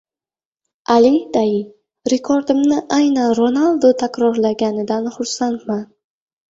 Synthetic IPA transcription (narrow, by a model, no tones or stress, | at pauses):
ʔalid̪ajɪ | ɾekʰoɾd̪ɪmnɪʔajnanɾonalˠd̪ot̪ʰakʲɾɒɾlaɡʲanɪd̪anχʊɾsant̪man